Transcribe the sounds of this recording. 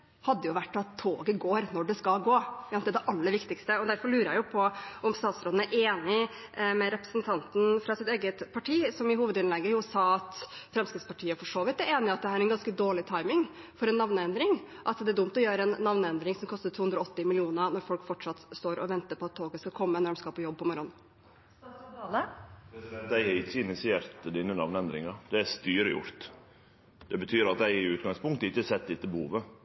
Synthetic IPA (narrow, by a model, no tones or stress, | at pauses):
hɑd̪ːəjʊʋæʈːɔɑt̪ʰːoːɡəɡoːɾnɔɖɛskɑlɡoːjɑnɛæd̪ɛʔɑlːəɾʋɪkt̪ɪkst̪əɔd̪æɾfɔɭʉːɾəjæɪjʊpʰɔɔmst̪ɑːt̪sɾoːd̪n̩æɾʔeːnɪ | mɛɾɛpɾə̥snt̪ʰɑnt̪n̩fɾɑsɪt̪eːɡət̪pʰɑʈʰiːsɔmɪhuːʋəd̪ɪnlɛɡːəjʊsɑːɑt̪fɾɛmskɾɪt̪spɑʈʰiːəfɔʂoːʋɪt̪ːæɾeːnɪɑt̪̚d̪ɛhæːɾɛnɡɑnskəd̪oːɭɪt̪ʰɑɪmɪŋ | fɔɾɛnːɑʋnəɛnd̪ɾɪŋ | ʔɑt̪d̪ɛæɖʊmt̪ɔjøːɾəɛnːɑʋnɛnd̪ɾɪŋsɔmkʰɔst̪ət̪ʰuːʉnd̪ɾɔɔt̪ːɪmɪlɪuːnəɾnɔɾfɔlkfɔʈʂɑt̪st̪oːɾɔʋɛnt̪əɾpʰɔɑt̪ʰːoːɡəskɑkʰɔmːəɛnæɾmskɑlpʰɔjɔb̚ːpɔmɔɾɔn | ləpɛsɛt̪d̪æɪɛɾɪçːəɪnɪsɪeːɾt̪d̪iːnənɑ̰ʋnəɛnd̪ɾɪ̰ŋɑd̪ɛæst̪yːɾəjʊ̰ɾt̪ | d̪̥ɛbət̪ʰyːɾɑt̪̚d̪æɪɪʉːt̪ɡɑŋspʊŋkt̪əɪçːəsɛt̪ːd̪ɪt̪ːəbəhṵːʋə